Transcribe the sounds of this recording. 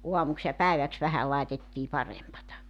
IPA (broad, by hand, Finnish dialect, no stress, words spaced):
uɑmuks jɑ pæeʋæks ʋæhæ lɑetetːiː pɑrempɑtɑ